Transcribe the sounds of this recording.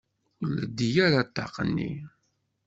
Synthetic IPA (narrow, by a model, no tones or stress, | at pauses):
ʊlə̰d̪ijæɾat̪ːɑ̰qənːḭ